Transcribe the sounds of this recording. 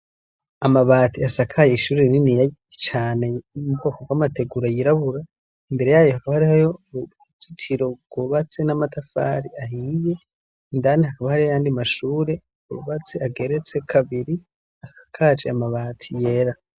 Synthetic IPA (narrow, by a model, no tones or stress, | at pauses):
amaβaːtiasakʰajeiʃuːɾeninijat͡ʃaːne̞umubɡo̞ːkoɡwamate̞ɡuɾajiɾaβuɾa | imbe̞ɾe̞jaːjohakaβahaɾihajo | t͡sitʰiɾo̞ɡ̥uβat͡senamatafa̰ːɾiahiːje̞ | indanihakaβahaɾihajaːndimaʃuːɾe̞ | uuβat͡se̞aɡe̞ɾe̞t͡se̞kʰaβiɾi | akḁkʰaːd͡ʒeamaβaːtʰije̞ɾa